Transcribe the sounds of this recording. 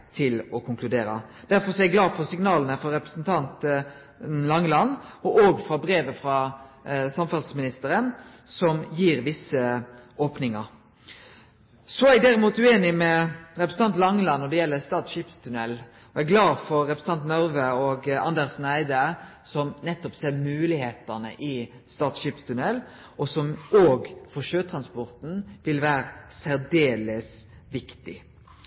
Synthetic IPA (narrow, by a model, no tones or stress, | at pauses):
t̪ʰɪlɔkʰʊŋkʰlʉd̪eːɾɑ̰ | d̪̥æɾfɔɾsɔæɡlɑːfɔɾsɪŋnɑːlənəfɔɾɛpɾəsnt̪ʰɑnt̪ | lɑŋːlɑnːɔʔoːɡfɾɑbɾeːʋəfɾɑ | sɑmfɑlsmɪnɪst̪əɾən | sɔmjiːɾʋɪsːəoːpnɪŋɑɾ | sɔæɪd̪æɾɪmuːt̪ʉeːnɪmɛɾɛpɾəsn̩ɑnt̪lɑŋːlɑnɔd̪ɛjɛlːəst̪ɑːt̪ʃipst̪ʰʉnɛlː | ɔæɡlɑːfɔɾːɛpɾəsn̩ɑnt̪nœɾʋəoɡɑ̰nd̪eːʁsnæɪd̪ə | sɔmnɛt̪ːɔpsɛlmʉːlɪheːt̪ənə̰ʔɪ | st̪ɑːt̪ʃiːpst̪ʰʉnɛlː | ʔɔsɔmoːɡfɔʃøːt̪ʰɾɑnspɔɾt̪n̩ʋɪlʋæːɾəsæɾd̪eːləs | ʋɪkt̪ɪ̰